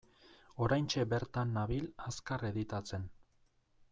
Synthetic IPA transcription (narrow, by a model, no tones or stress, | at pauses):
o̞ɾajnt͡ʃe̞be̞ɾt̪anːaβilaskareðit̪at͡se̞n